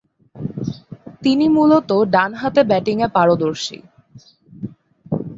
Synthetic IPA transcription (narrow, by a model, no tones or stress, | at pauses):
t̪inimulot̪oɖanɦat̪ebɛʈiŋepaɾod̪oɾʃḭ